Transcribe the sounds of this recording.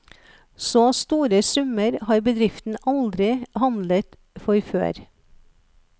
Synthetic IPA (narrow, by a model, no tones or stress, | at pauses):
soːst̪uːɾəsʉməɾhɑːɾbəd̪ɾɪft̪n̩ɑld̪ɾɪhɑnd̪lət̪ | fɔɾfø̰ːɾ